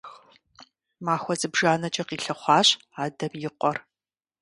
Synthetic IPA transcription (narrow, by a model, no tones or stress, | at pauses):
x | maːxʷɔzɨbʒaːnɐt͡ʃʼɐqiːɬɐχʷɑːɕ | aːdɐmjɪqʷɔr